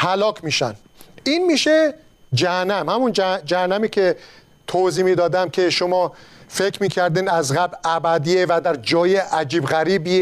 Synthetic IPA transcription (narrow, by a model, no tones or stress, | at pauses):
hælɒːkʰmiːʃæ̰n | iːnmiːʃe | d͡ʒæhænːæmhæmund͡ʒd͡ʒæhænːæmiːkʰe | t̪ʰoziːmiːd̪ɒːd̪æmcʲʰeʃomɒːfekʰɾmiːkʰæɾd̪iːnd̪æzɣæblæbæd̪iːevæd̪æɾd͡ʒɒːjeʔæd͡ʒiːbɣæɾiːbie